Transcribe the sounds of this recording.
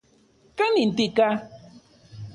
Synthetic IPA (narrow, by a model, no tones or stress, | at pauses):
kanint̪ika